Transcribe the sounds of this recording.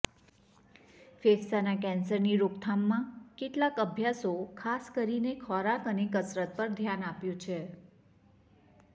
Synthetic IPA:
fessanakɛ̃nsəɾniɾokt̪ʰamːãkeʈlakəbʱjasokʰaskəɾinekʰɔɾakənek̬əsɾət̪̚pəɾd̪ʱjanapjũt͡ʃʰe

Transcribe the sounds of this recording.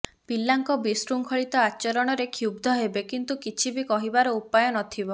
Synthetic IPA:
pilːaŋkɔbisɾuŋkʰɔɭit̪ɔat͡ʃɔɾɔɽ̃ɔɾekʰub̚d̪ʱɔɦebekint̪ukit͡ʃʰibikɔɦibaɾɔupajɔnɔt̪ʰibɔ

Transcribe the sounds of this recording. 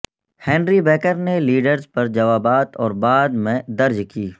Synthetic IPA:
hɛ̃ːnɾibɛːkəɾneliːɖəɾzpɐɾd͡ʒɐʋaːbaːt̪ɔːɾbaːd̪mẽd̪ɐɾd͡ʒkiː

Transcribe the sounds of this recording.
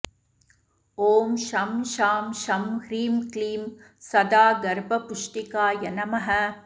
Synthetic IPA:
oːmʃɐmʃaːmʃɐmhɾiːmkliːm | sɐd̪aːɡɐɾbɐpʊʂʈikaːjɐnɐmɐɦɐ

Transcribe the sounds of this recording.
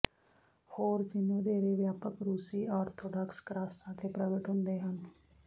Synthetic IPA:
hoːɾd͡ʒɪnːũːd̪eːɾeːʋjaːpəkɾuːsiːaːɾt̪ʰoːɖɔːkskɾaːsãːt̪ʰeːpɾəɡəʈɦʊnd̪eːɦən

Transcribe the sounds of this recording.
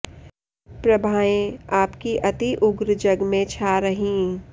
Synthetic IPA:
pɾɐbʱaːjẽaːpkiʔɐt̪iʔʊɡɾd͡ʒɐɡmẽt͡ʃʰaːɾɐɦĩ

